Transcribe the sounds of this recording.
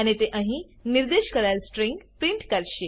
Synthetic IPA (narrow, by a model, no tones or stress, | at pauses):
añit̪eʔãɦĩniɾd̪eɕkəɾalsʈɾiŋɡpɾiɳʈkaɾɕe